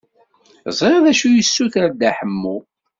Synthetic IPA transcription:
zˤɾɑðæʃujəsːuθaɾd̪aħəmːu

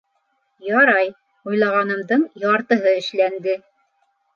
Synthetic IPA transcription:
jɑɾɑj | ujlˠɑʁɑnɤ̆md̪ɤɴjɑɾt̪ɤ̆ɦɤɘ̆ʃlænd̪ɘ

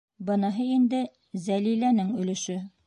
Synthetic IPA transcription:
bɤ̆nɤ̆ɦɤind̪ɘ | zælilænɘŋɵ̆lɘ̆ʃɵ

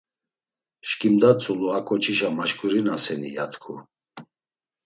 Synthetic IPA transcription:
ʃkʼimd̪at͡sʰʼuluakʰʼɔt͡ʃʰiʃamaʃkʼuɾinasɛnḭja̰t̪ʰkʰu

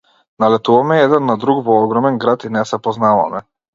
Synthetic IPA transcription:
nalɛt̪uvamɛɛd̪ɛnːad̪ɾukvɔɔɡɾɔmɛnɡɾat̪inɛsɛpɔznava̰mɛ

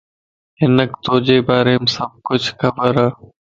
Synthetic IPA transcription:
ɦɪnəkt̪oːd͡ʒeːbaːɾeːmsəb̚kʊt͡ʃʰxʰəbəɾaː

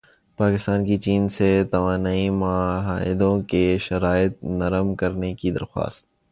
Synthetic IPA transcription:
paːkɪst̪aːnkit͡ʃiːnset̪ɐʋaːnaːimaɦaːɪd̪õkeʃɐɾaːɪt̪̚nɐɾəmkɐɾnekid̪ɐ̰ɾxwa̰ːst̪̚

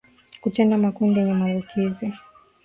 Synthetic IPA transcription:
kutɛndamakundijɛɲɛmalukʰizi

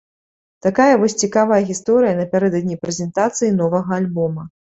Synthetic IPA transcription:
t̪akajɐvɔsʲt͡sʲikavɐjɐɣʲist̪ɔɾɨjɐnɐpʲaɾɛd̪ɐd̪ʲnʲijpɾɛzʲɛnt̪at̪sɨjinɔvɐɣɐalʲbɔmɐ

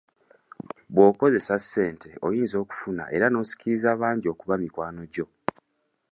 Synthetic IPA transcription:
βwo̞ːko̞ze̞sasːe̞ːntʰe̞o̞̰jiːnzo̞ːku̥funa̰ʔe̞ɾano̞ːsi̥ciɾizaːβaːɲɟio̞ːkuβamikwaːno̞ɟo̞

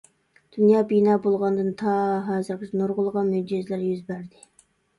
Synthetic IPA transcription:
d̪̥unjɑːbinɑːbolˠʁɑnd̪ɨnt̪ʰɑɦɑːzɨɾqʰɪt͡ʃʰnoɾʁʊlˠʁɑnmyd͡ʒɪzlæɾjyzbæɾd̪ɪ

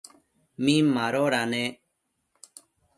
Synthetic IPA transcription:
mĩmaɾoɾane

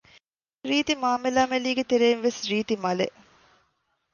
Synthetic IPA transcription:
ɾiːt̪imaːmelaːmeliːɡet̪eɾeːnʋesɾiːt̪imɐleʔ

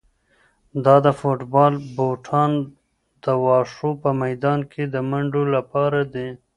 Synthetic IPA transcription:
d̪ɑd̪əfoʈbɑlboʈʰɑn | d̪əwɑʂopəmajd̪ɑnkʰed̪əmaɳɖolapɑɾad̪e

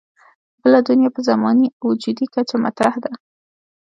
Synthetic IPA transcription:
bəlad̪unjapəzamɑniawd͡ʒud̪ikat͡ʃama̰t̪ɾahd̪a

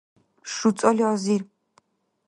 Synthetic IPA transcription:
ʃut͡s̪ʼɔliɔziɾ

